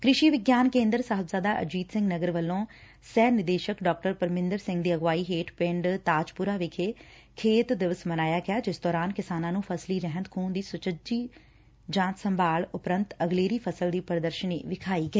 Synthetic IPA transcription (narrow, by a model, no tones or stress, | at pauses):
kɾɪʃiːʋɪɡjaːnkẽːnd̪əɾsəɦəbzaːd̪aːʔə̰d͡ʒiːt̪sɪ̃ŋɡnəɡəɾʋəlːõː | sɛːnɪd̪eːʃəkɖɔːk̚ʈəɾpəɾmɪ̃nd̪əɾsɪ̃ŋɡd̪iːəɡʋaːiːɦeːʈpɪ̃ɳɖt̪aːd͡ʒpʊɾaːʋɪkʰeː | kʰeːt̪d̪ɪʋəsmənaːjaːɡɪjaːd͡ʒɪsd̪ɔːɾaːnkɪsaːnãːnũːpʰəsliːɾɛɦənt̪kʰuːnd̪iːsʊt͡ʃəd͡ʒiː | d͡ʒãːt̪səmbʱaːɭʊpɾənt̪əɡleːɾiːpʰəsəld̪iːpəɾd̪əɾʃənḭːʋɪkʰaːiːɡəiː